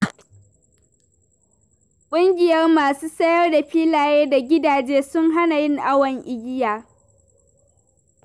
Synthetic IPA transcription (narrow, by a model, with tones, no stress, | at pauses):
kʷʼʊ˦ŋɡʲɪ˨jɐ˦rmaː˨suː˦sɐ˦jɐ˦rda˨ɸiː˦laː˨jeː˦da˨ɡʲɪ˦daː˨d͡ʒeː˦sʊ˦ŋɦa˦na˨jɪ˦ŋʔa˦wɐ˨ŋʔɪ˨ɡʲɪ˦jaː˨